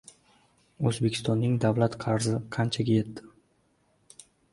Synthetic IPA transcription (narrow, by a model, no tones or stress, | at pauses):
ɵzbekʰʲɪ̥st̪ɒnːɪŋd̪avlat̪qʰɑɾzɪqʰant͡ʃʰaɡʲaje̞t̪ːɪ̥